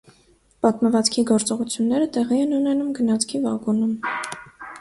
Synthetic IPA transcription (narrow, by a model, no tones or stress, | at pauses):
pɑt̪məvɑt͡skʰiɡɔɾt͡sɔʁut͡sʰjunːɛɾət̪ɛʁiɛnunɛnumɡənɑt͡sʰkʰivɑɡunum